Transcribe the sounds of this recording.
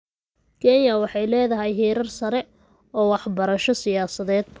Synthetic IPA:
kʰɛnjɐwɑħɑjlɛːðɐɦɛjɦiːɾɐrsɐɾɛ | ɔːwɑħbɐɾɐʃɔsɪjaːsɐðɛːd̪̚b

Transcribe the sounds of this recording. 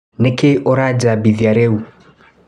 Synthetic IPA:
nɪkɪʔɔɾad͡ʒabiðjaɾɛu

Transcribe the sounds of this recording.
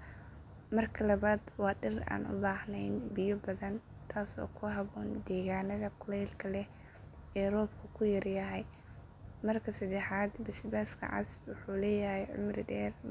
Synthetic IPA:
mɐrkʰɐlɐβaːd̪wɑːɖɪra̰ːnʊ̰baːhnɛjnbɪjʊbɐðɐn | t̪ʰaːsɔ̰ːkʰʊɦɐβɔːnd̪ɛːɣaːnɐðɐkʰʊlɛjlkʰɐlɛ | ɛːrɔːbkʰɐkʰʊjɐrjɐɦɛj | mɐrkʰɐsɐd̪ɛħaːd̪bɪʃbaːskʰɐ̰ʕɑ̰swʊħuːlɛːjɐɦɛjʕʊ̰mrɪdɛːr

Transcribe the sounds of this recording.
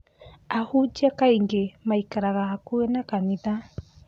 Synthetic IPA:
ahud͡ʒakajŋɡemajkaɾaɣakuenakanit̪a

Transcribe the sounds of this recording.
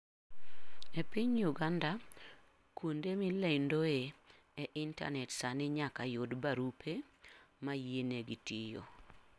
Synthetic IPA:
epɪɲjuɡanda | kwondemilɛndoe | eʔɪnta̰nɛtsanɪɲakajodbaɾupʰemajeneɡitijo̰

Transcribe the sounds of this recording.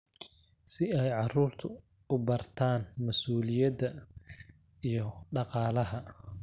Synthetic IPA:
sɪɛjʕɑruːrt̪ʰʊ | ʊbɐrt̪ʰaːnmɐsuːlɪjɐd̪ɐ | ijɞɖɑqɑːlɐɦɐ

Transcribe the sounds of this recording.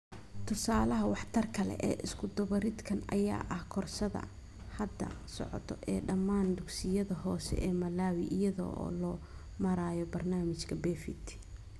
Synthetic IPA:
t̪ʰʊsaːlɐɦɐwɑħt̪ʰɐrkʰɐlɛ̰ʔɛ̰ːʔɪskʰʊd̪ɐβɐɾɪd̪kʰɐnʔɐ̰ja̰ːʔɐhkʰɔrsɐðɐ̰ | hɐd̪ɐ̰sɔ̰ʕɔ̰t̪ʰɔʔɛːɖɐmːaːnd̪ʊksɪjɐðɐɦɔːsɛ̰ʔɛːmɐlaːwiʔɪjɐðɔ̰ːʔɔ̰ːlɔː | mɐɾaːjɔbɐrnaːmɪt͡ʃkʰɐbɛːfɪt̪ʰ

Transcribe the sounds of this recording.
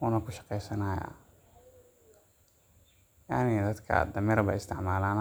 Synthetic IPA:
uːnɐkʰʊʃɑ̥qɛjsɐnaːja̰ | ja̰ʕnɪd̪ɐd̪kʰɐ̰d̪ɐmɛɾɐbɐ̰ɪst̪ʰɪʕmaːlaːn

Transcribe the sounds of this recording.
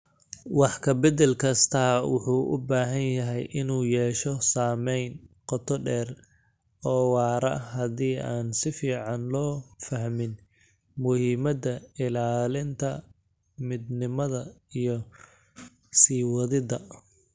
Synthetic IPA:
wɑħkʰɐbɐd̪ɛlkʰɐst̪ʰɐːwʊ̰ħuːʔʊ̰baːɦɐnjɐɦɛjʔɪnuːjɛːʃɔsaːmɛjnqɔt̪ʰɔɖɛːr | ɔːwɑːɾɐ̰ɦɐðiːʔaːnsɪfiːʕɑnlɔːfɐhmɪn | mʊhiːmɐd̪ɐɪlaːlɪnt̪ʰɐ | mɪd̪nɪmɐðɐijɔ | siːwɔðɪðɐ

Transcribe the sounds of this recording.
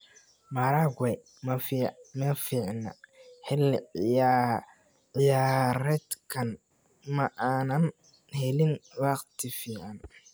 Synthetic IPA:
mɐɾaːɡwɛj | mɐfmɛfiːʕnɐ̰hɪl | ʕɪjaːɾɛd̪kʰɐn | mɐʔaːnɐn | hɛlɪnwɑːqt̪ʰɪfiːʕan

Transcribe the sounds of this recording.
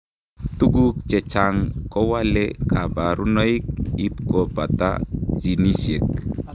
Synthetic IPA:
t̪uɡukt͡ʃɛt͡ʃaŋkɔwalekabaɾunɔik̚ipkɔbat̪a̰d͡ʒinisjek̚

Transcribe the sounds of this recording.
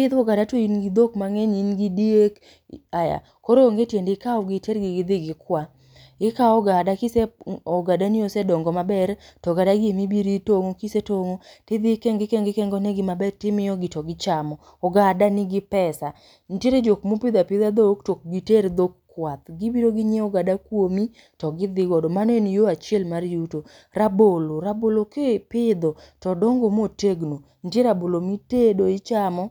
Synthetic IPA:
pɪd̪ɔɡadatoinɡid̪okmaŋeɲinɡidiek | aja̰ | kɔɾoːŋɡetjendekaɔɡɪteɾɡɪɡɪd̪ɪɡɪkwa | ɪkaɔɡadakiseɔɡadaniosɛdɔŋɡɔmabɛɾtɔɡadaɡemibiɾitoŋokisetoŋotɪd̪ikɛŋɡɪkɛŋɡɪkɛŋɡoneɡɪmabɛrtɪmɪjɔɡɪtɔɡɪt͡ʃamɔ | ɔɡadanɪɡɪpɛsa | ntjeɾed͡ʒokmopɪd̪apɪd̪ad̪oktok̚ɡiteɾd̪okː | wat̪̚ɡibiɾoɡɪɲeɔɡadakwomi | tɔɡɪd̪ɪɡɔdɔmanenijoat͡ʃɪɛlmarjuto | ɾaboloɾabolokepɪd̪ɔtɔdɔŋɡomoteɡno | n̩teɾabolomitedoit͡ʃamɔ

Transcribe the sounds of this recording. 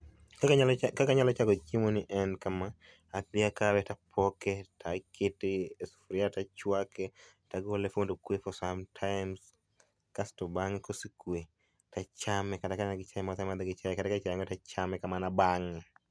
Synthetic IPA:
kkkakaɲalɔt͡ʃaɡɔt͡ʃimonɪʔɛnkamaː | pjakawɛtapʰɔkɛtʰakʰɪtɪesfɾɪatat͡ʃwakɛ | taɡolefondokwefɔsamtʰaɪms | kastɔbaŋkosikwe | tat͡ʃamɛkadakanaɡɪt͡ʃajɛmat̪amad̪ɛɡɪt͡ʃajɛkadakat͡ʃajŋɔtat͡ʃamɛkamanabaŋɛ

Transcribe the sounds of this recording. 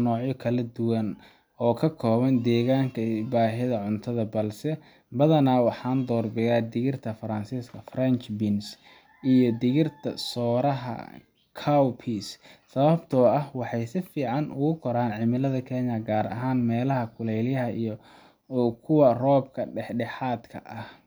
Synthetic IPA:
nɔːʕjɔkʰɐlɐd̪ʊwɐn | ɔːkʰɐkʰɔːβɐnd̪ɛːɣaːŋkʰɐbaːɦɪðɐʕʊnt̪ʰɐðɐbɐlsɛ | bɐðɐnaːwɑħɑːnd̪ɔːrbɛjaːd̪ɪɣɪrt̪ʰɐfɐɾɐnsiːskʰɐfrɐnt͡ʃbɪns | ʔijɔd̪ɪɣɪrt̪ʰɐ̰sɔːɾɐɦɐ̰ | kʰawpʰissɐβɐbt̪ʰɔːɐhwɑħɑjsɪfiːʕɑnʔʊɣʊkʰɔɾaːnʕɪmɪlɐðɐkʰɛːɲɐɡaːɾɐ̰ɦaːnmɛːlɐɦɐkʰʊlɛjljɐɦɐijɔ | kʰʊwɐrɔːb̚kʰɐɖɛħɖɛħaːd̪kʰɐ̰ʔɐh

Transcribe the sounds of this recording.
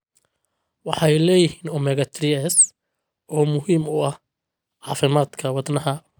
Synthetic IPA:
wɑħɑjlɛːjɪhiːnɔmɛɣɐt̪ʰɾɪɛːs | ʔɔːmʊɦiːmʊɐh | ʕɑːfɪmaːd̪kʰɐwɑd̪nɐɦɐ

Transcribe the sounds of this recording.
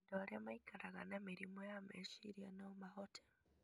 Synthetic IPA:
ndolemaikaɾaɣa̰nemiɾimojameʃiɾjanomahotʰe̥

